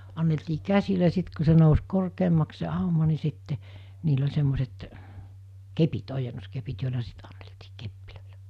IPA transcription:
ɑnːeltiː kæsilæ sit ku se nous korkeːmːɑks se ɑˑumɑ ni sitːe niːl olʲ semːoset kepit ojenːoskepit joˑilɑ sit ɑ̥n̥ːe̥l̥ti̥ː kepːiløˑi̥l̥æ̥

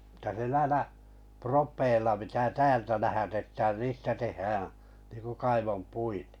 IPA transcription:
etːæ se næĭlæ propeˑilːɑ pitæː tæːltæ læhætetːæːn niːstæ tehːæːæ̃ niːŋku kɑiʋompuite̥

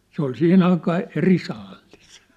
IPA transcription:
se ol sihin ɑikɑː eri sɑːlːis

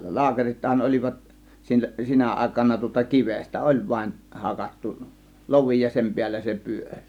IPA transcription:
lɑːkerithɑn olʲiʋɑt sil sinæ ʔɑˑe̝kɑnɑ tŭŏtɑ kiʋestæ ʔolʲ ʋɑĭn hɑkɑtːu loʋi jɑ sem piælːæ se pyørʲ

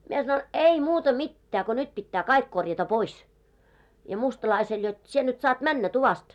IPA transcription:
mie sɑnon ei muːtɑ mitːæː ko nyt pitːæː kɑik korjɑtɑ pois jɑ mustɑlɑisel jot sie nyt sɑːt mænːæ tuʋɑst

